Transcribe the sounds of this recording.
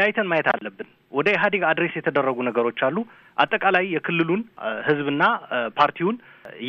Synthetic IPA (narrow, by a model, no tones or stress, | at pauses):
ajt̪ʰənmajɛt̪a̰lːəbːɨn | wʔɔd̪əjɛɦad̪iɡad̪ɾesjɛt̪ʰəd̪ərːəɡunəɡəɾo̞t͡ʃːalːu | ʔa̰t̪ʼːəkʼalajːɛkʰɨlːɨlunhɨzbɨnːapʰaɾt̪ʰiwun | j